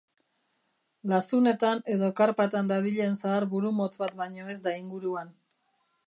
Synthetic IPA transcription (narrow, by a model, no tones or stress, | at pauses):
lasune̞t̪ane̞ðo̞kaɾpat̪and̪aβ̞iʎe̞ːnsaːɾβuɾumo̞t͡sβat̪baɲo̞e̞zd̪aiŋɡuɾuan